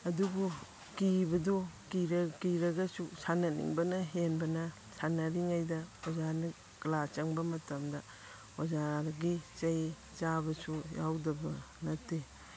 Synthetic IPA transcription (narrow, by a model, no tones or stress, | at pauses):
ɐdubu | kibɐdukiɾɐkiɾɐɡɐsusanɐnḭŋbɐnɐɦenbɐnɐ | sʰanɐɾiŋajdɐozaɾni | klat͡ʃɐŋbɐmɐtɐmdɐ | od͡ʒaɾɡit͡ʃɐj | t͡ʃabɐsujawdɐbɐ | nɐte